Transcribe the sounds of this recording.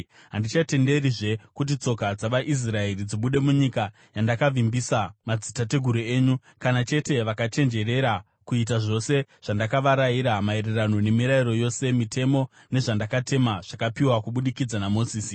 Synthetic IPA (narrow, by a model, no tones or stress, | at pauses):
ɦandit͡ʃate̞nde̞ɾiʐe̞kut̬it͡so̞kad͡zaʋaʔis̬rae̞ɾid͡ziɓuɗe̞muɲika | jandakaʋimbisamad͡zitate̞ɡʱuɾueːɲu | kanat͡ʃe̞te̞ʋakat͡ʃe̞nd͡ʒe̞ɾe̞ɾa | kuit̬aʐo̞se̞ʐ̥andakaʋaɾaiɾamae̞ɾe̞rano̞ne̞miɾairo̞jo̞se̞mitʰe̞mo̞ | ne̞ʐandakate̞maʐ̥akapiwakuɓuɗikid͡zanamo̞siːsi